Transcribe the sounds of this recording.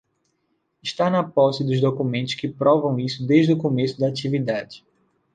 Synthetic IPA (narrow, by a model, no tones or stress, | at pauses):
ɪʃt̪anɐpɔsɪd̪ʊzd̪okumẽnt̪ʊ̥ʃkɪpɾɔvɐ̃w̃isʊd̪eʒd̪ʊkõmesʊd̪ɐat͡ʃivid̪ad͡ʒɪ